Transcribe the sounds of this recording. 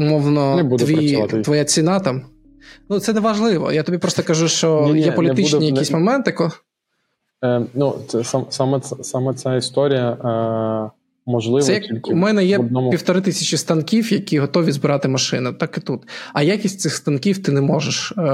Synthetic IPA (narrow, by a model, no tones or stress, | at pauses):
ʊmɔwnɔnɛbud̪ɛʋʲit̪t̪ʋɔjat͡sʲinɑt̪am | nut̪sɛnɛʋɐʒlˠɪʋɔ̰jat̪ɔbʲipɾɔst̪ɔkɐʒuʃt͡ʃɔnjɛpɔlʲit̪ɪt͡ʃɛnʲijɐkisʲmɔmɛnt̪jɐkɔ | nusɛsasamɛɛsamɛt͡sʲaist̪ɔɾʲijɐ | mɔʒlˠɪsʋɛjɐkʲilʲkumɛnɛjɛd̪̚nɔmʊpiwt̪ɔɾɪt̪ɪsʲɐt͡ʃist̪ɐnkʲiwjɐkʲiɦɔt̪ɔʋʲizbɪɾɑt̪ɪmɐʃɪnʊt̪ɑkɪt̪ut̪ɐjakʲisʲtʲtsɪxst̪ɐnkʲiwt̪ɪnɛmɔʒeʃ